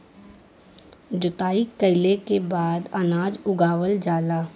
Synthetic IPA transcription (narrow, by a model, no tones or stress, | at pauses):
d͡ʒʊt̪aːikəɪlekebaːd̪anaːd͡ʒʊɡaːʋəld͡ʒaːlaː